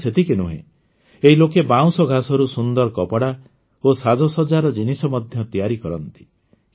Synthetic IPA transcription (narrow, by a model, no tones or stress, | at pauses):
set̪ikenuɦḛ̃ | eɦilokebaw̃sɔɡʱasɔɾusund̪ɔɾkɔpɔɽa | osad͡ʒɔsɔd͡ʒaɾɔd͡ʒinisɔmɔd̪ʱjɔt̪ijaɾikɔɾɔnt̪i̥